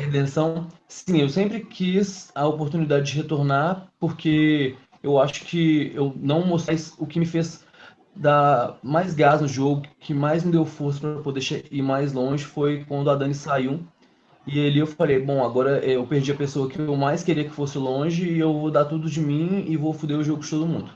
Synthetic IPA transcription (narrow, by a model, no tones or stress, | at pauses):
hed̪ẽsɐ̃w̃sĩewsẽmpɾɪkʰizɐopoɾt̪unid̪ad͡ʒɪd͡ʒɪɦet̪oɾnaɾpoɾke | ewaʃʊ̥kʰɪewnɐ̃w̃most̪ajzʊkɪmɪfez | d̪amajzɡaznʊʒoɡʊkʰɪmajzmɪd̪ewfoɾsɐ̥pɾɐpod̪eʃeiɾmajzlõʒɪfojkwɐ̃nd̪ʊad̪ɐ̃nɪsaiw | ɪaliewfalejbõw̃aɡɔɾɐʔɛewpeɾd͡ʒiɐpesoɐkɪewmajskeɾiɐkɪ̥fosɪlõʒɪːewvod̪aɾt̪ud̪ʊd͡ʒɪmĩɪvofud̪eɾʊʒoɡʊd͡ʒɪt̪od̪ʊmũnd̪ʊ